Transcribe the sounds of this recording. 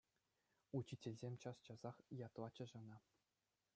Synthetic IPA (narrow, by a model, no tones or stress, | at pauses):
ut͡ɕitʲelʲzʲemʲt͡ɕɑst͡ɕɑzɑχjɑt̪lˠɑt͡ɕɤ̆ʐɤ̆nɑ